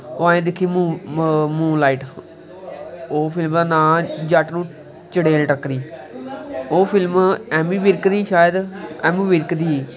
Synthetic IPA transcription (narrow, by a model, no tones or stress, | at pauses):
oːaːẽːd̪ɪkʰːiːmũːmũːlaːiːʈ | oːpʰɪlməːnãːd͡ʒaʈnũː | t͡ʃəɽeːlʈəkɾiː | oːpʰɪlmɛːmiːʋɪɾkd̪iːʃaːjəd̪ɛːmiːʋɪɾkd̪iː